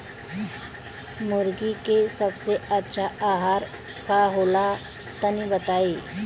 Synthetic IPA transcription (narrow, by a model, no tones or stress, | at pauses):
mʊɾɡikesɐbseɐtːʃʰaaːɦaːɾ | kaɦoːla | t̪ənibət̪aːeː